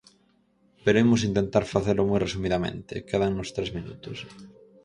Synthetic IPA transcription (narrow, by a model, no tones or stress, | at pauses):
peɾoemʊs̬int̪ent̪aɾfaθeɾlʊmujresumiðamḛ̃nt̪ɪ̰keðaŋnʊst̪ɾezmĩnṵt̪ʊs